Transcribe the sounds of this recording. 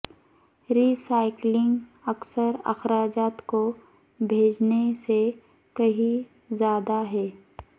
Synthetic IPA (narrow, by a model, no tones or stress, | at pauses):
ɾiːsaːɪklɪ̃ŋɡɐksəɾɐ̰xɾaːd͡ʒaːt̪ko | bʱeːd͡ʒnese | kɐɦĩ | zjaːd̪aɦɛː